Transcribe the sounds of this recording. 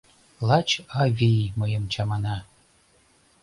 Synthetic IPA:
lɑt͡ɕɑvʲijmɤjəmt͡ɕʰɑmɑnɑ

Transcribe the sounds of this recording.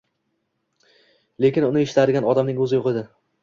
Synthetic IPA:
le̞kʲɪnʊnɪeʃɪ̥t̪ʰad̪ɪɡʲanɒd̪amnɪŋɵzɪjoqɨd̪ɪ

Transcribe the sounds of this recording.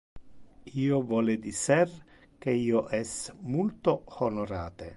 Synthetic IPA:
iːovɔːled̪isɛr | keiːoʔɛsmult̪ohonoɾaːt̪ḛ

